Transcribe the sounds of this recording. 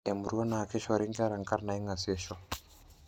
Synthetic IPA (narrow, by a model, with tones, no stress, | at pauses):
e˨mu˨ɾuɔ˦naː˨kɛ˦ʃɔ˦˨ɾɛ˦ŋɡa˦ɾa˨ŋka˦ɾna˨i˦ŋɡa˨sɛʃɔ˦